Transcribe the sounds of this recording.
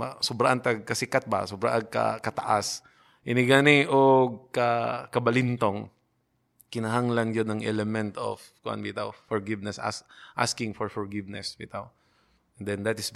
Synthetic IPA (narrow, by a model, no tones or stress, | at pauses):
asʊbɾaʔɐnt̪aɡ̚kɐsɪkat̪̚ba̰sbɾa̰ʔɐɡ̚kɐ̰kɐt̪ɐʔas | ʔɪnɪɡaniʔoɡ̚kɐkɐbɐlɪnt̪oŋ | kɪnɐɦaŋlɐnd͡ʒonɐŋʔɛlɛmɛnt̪o̰fkʊʔa̰nbit̪a̰wfɔɹɡɪvnɛsʔa̰sʔa̰skɪŋfɔɹfɔɹɡɪvnɛsbḭt̪aw | nd̪ɛnd̪at̪ɪs